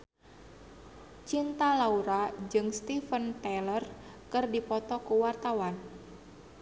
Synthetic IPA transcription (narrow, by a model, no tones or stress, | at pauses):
t͡ʃint̪alauɾad͡ʒɨŋst̪ifənt̪elərkɨrdipɔt̪ɔkuwart̪awan